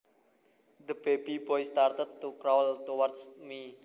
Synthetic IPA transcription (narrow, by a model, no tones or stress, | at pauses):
d̪əb̥ebibɔjst̪art̪ət̪ːukɾawlt̪owart̪smi